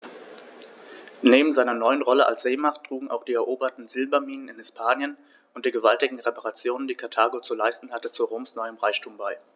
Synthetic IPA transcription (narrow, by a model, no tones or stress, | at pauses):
neːbm̩zaɪnɐnɔʏənʁɔləʔa̰lsz̥eːmaχtʁ̥uːɡŋ̩ʔa̰ʊxd̥iːɛɐʔoːbɐtn̩zɪlbɐmiːnənɪnhɪspʰaːnjən | ʔʊntd̥iːɡəvaltɪɡŋ̩ʁepaʁat͡sjoːnəndiːkʰaɐtʰaːɡot͡sulaɪstn̩hatət͡suʁoːmsnɔʏəmʁaɪçtʰuːmbaɪ